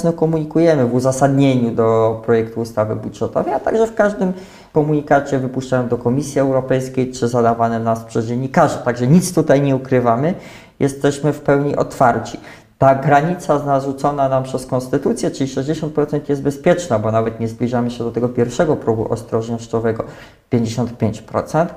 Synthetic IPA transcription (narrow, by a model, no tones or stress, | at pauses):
nɔkɔmuɲikujɛmɘvuzasad̪ɲeɲud̪ɔpɾɔjɛkt̪uːst̪avɘbudʐɛt̪ɔ̰vɛjat̪a̰ɡʐɛfkaʐd̪ɘm | kɔmuɲikat͡ɕɛvɘpuʂt͡ʂajɔ̃nd̪ɔkɔmʲisʲjiɛwɾɔpɛjskʲejt͡ʂɘzad̪avanɛnaspʂɛzd͡ʑɛɲːikaʐɛt̪aɡʐɛɲit̪st̪ut̪ajɲɛukɾɘvamɘ | jʔɛst̪ɛɕmɘfpɛwɲiʔɔ̰t̪faɾt͡ɕi | t̪aɡɾaɲit̪sazaʐut̪sɔnanampʂɛskɔnst̪ɘt̪ut̪sʲjɛt͡ʂɘlʲiʂɛʑd͡ʑeɕɔnt̪̚pɾɔt̪ɛnt̪jɛst̪bɛspʲjɛt͡ʂnabɔnavɛt̪ɲɛzblʲiʐamɘɕɛd̪ɔt̪ɛɡɔpʲjɛɾfʂɛɡɔpɾuɡṵʔɔ̰st̪ɾɔʐɲɔɕt͡ʂɔvɛɡɔ | pʲjeɲd͡ʑeɕɔnt̪̚pʲjeɲt͡ɕpɾɔ̰t̪sɛnt̪